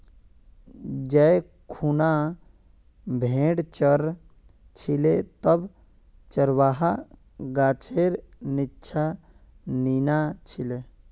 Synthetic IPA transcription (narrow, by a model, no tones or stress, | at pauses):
d͡ʒɛ | kʰuna | bʱẽːɽt͡ʃəɾ | t͡ʃʰilet̪əb | t͡ʃəɾwaːɦa | ɡaːt͡ʃʰeɾnitːt͡ʃʰa | ninat͡ʃʰile